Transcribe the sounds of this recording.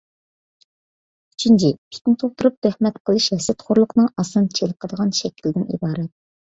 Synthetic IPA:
y̥t͡ʃʰint͡ʃʰipʲʰi̥k̪ʲnɪt̪ʰoχt̪uɾup̚t̪æhmɛt̪qʰəlˠɨʃɛsɪt̪χʰoɾlˠʊqnɨŋɑsɨnt͡ʃʰelˠəqʰəd̪əʁɑnʃɛkʲʰilɪd̪ɪnḭbɑːɾɛt̪̚

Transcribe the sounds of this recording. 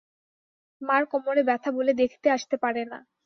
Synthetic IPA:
maɾkɔmoɾebɛt̪ʰaboled̪ekʰt̪eaʃt̪epaɾena̰

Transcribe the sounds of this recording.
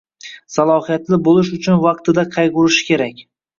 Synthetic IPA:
salˠɒhijat̪lɪbolɪʃ̬ʊt͡ʃʰʊnvɑqt̪ɪd̪aqʰɑjʁʊɾɪʃɪ̥kʲʰe̞ɾakʲ

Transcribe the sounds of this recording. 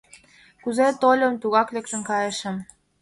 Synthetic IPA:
kuzet̪olʲə̆mt̪uɣɑklekt̪ə̆nkɑjə̆ʃə̆m

